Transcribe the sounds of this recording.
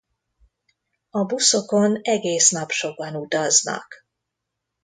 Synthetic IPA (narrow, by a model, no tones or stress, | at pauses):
ɒbuso̞ko̞nɛɡeːsnɒpʃo̞ɡ̚ɒnut̪ɒznɒ̰k